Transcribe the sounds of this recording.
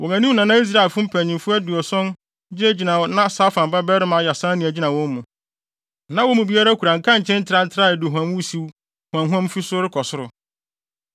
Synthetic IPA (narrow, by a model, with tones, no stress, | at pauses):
wʔɔ˨ŋã˨nĩ˦mnã˨nã˦i˦s̬ɾa˦˨e˨lfʊ̃˦m̩˦pʰæ˨ɲĩ˨mfʊ˦æ˦dʊ˨ɔ˨sɔ̃˦n | d͡ʑɪ˦æ˦d͡ʑi˨nã˨wnã˦saː˦fã˨m˨ba˦bɛ˦ɾɪ˦mã˨˦˨ja˨sã˦nĩ˨æ˨d͡ʑi˦nã˨wɔ̃˦m˦mũ˨ | nã˨wɔ˦mũ˨bi˦a˦ɾa˦kʰu˨ɾã˨ŋ̩˨kʰã˦ɲ˨t͡ɕʰɛ̃˦n̩˦tʰɪ˦ɾa˦n̩˦tʰɪ˦ɾa˦˨ɛ˨dʊ˨ɦã˨mwu˦si˦w | hwã˨ŋɦɔ̃˦m˦fi˦sʊ˦ɾɪ˦kʰɔ˨sʊ˦ɾʊ˨